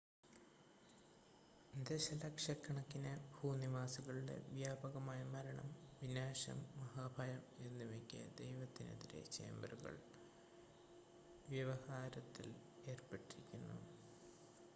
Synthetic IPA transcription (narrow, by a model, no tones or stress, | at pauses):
d̪eɕɐlɐkʂɐkːɐɳɐkːinebʱuːniʋaːsiɣɐɭuɽe̞̰ʋjaːbɐɣɐmaːjɐmɐɾɐɳɐ̰mʋinaːɕɐ̰mːɐɦaːbʱɐjɐme̞nːumekʲːɐ̰d̪ejʋɐt̪ːine̞̰ðiɾe̞̰t͡ɕe̞̰ːmbruɣɐ̰ɭ | ʋjɐʋɐhaːɾɐt̪ːil | e̞ːrpeʈːiɾikʲːunːṵ